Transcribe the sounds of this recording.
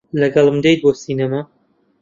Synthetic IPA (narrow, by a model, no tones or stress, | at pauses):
lɐɡɐlˠmd̪ejt̪̚boːsinɐma